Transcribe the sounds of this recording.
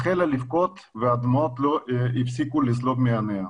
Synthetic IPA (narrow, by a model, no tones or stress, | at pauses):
χelalifkot̪ | vead̪mot̪loifsikulesloɡmeanea